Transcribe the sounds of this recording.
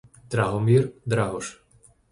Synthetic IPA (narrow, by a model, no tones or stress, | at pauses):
d̪ɾaɦɔmird̪ɾaɦɔʃ